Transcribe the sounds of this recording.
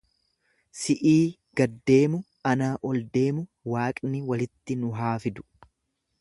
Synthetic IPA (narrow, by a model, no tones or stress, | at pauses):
sɪʔiː | ɡ̥ɐd̪ːe̞ːmʊ | ɐnaːʔɔld̪e̞ːmʊ | waːkʼnɪwɐlɪt̪ːɪnʊɦaːfɪd̪ʊ̥